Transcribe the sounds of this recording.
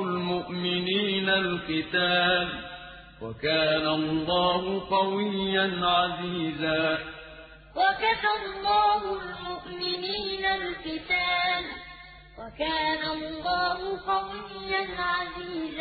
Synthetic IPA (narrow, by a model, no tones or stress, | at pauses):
lmʊʔmɪniːnalqɨt̪aːl | wa̰kaːnalˤːɑːhʊqɑwɪjːanʕaziːzaː | wakat̪alˤːɑːhʊlmʊʔmɪniːnalqɪt̪aːl | wakaːnalːɑːhʊqɑwɪjːanʕaziːz